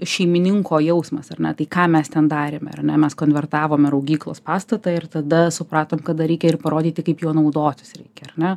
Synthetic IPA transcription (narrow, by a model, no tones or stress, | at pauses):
ʃʲɛɪmʲɪnʲɪŋkoːjɛʊsmɐsɐrnʲɛt̪ɐɪkɑːmʲɛst̪ʲɛnd̪ɑːɾʲeːmʲɛ̰ɐ̰rnʲɛmʲɛskoːnʲʋʲɛɾt̪ɑːʋoːmʲɪɾɐʊɡʲiːklˠo̰ːspɑːst̪ɐt̪ɐɪɾt̪ɐd̪ɐsʊpɾɑːt̪oːmkɐd̪ɐɾʲɛɪkʲɛɪrpɐɾoːd̪ʲiːt̪ʲɪkɐɪpjoːnɐʊd̪oːt̪ʲɪ̥sɾʲɛ̰ɪkʲɛɐrnʲɛ